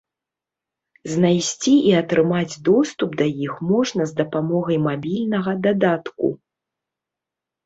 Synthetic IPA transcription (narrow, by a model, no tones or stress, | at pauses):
znajsʲt͡sʲiʔiɐt̪ɾɨmad͡zʲd̪ɔst̪ubd̪ɐjixmɔʐnɐzd̪ɐpamɔɣɐjmabʲilʲnɐɣɐd̪ad̪at̪kṵ